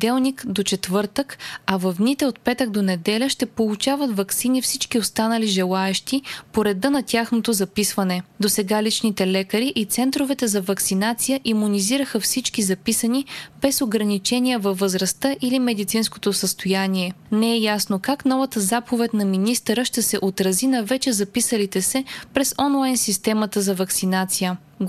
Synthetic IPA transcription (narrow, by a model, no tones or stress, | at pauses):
d̪ɛlˠnikd̪ot͡ʃɛt̪vɤɾt̪əkɐvɐvd̪nit̪ɛot̪̚pɛt̪ək̚d̪onɛd̪ɛlʲəʃt̪ɛpolˠut͡ʃavət̪vɐksinifsit͡ʃkiost̪anəliʒɛlˠaɛʃt̪ipoɾɛd̪ənɐt̪ʲjaxnot̪ozɐpisvɐnɛd̪osɛɡalit͡ʃnit̪ɛlɛkəɾiʔit̪sɛnt̪ɾovɛt̪ɛzɐvɐksinat̪sijəʔimuniziɾəxəfsit͡ʃkizɐpisənib̥ɛsoɡɾɐnit͡ʃɛnʲijəvɐvːəzɾɐst̪ɤʔilimɛd̪it̪sinsko̥t̪osəst̪ojaniɛnɛɛjasnokakn̪ɔvɐt̪əzapovɛt̪ʲnɐminist̪əɾəʃt̪ɛsɛʔot̪ɾɐzinɐvɛt͡ʃɛzɐpisəlit̪ɛsɛpɾɛsɔnlˠajnsist̪ɛmət̪əzɐvɐksinat̪sijə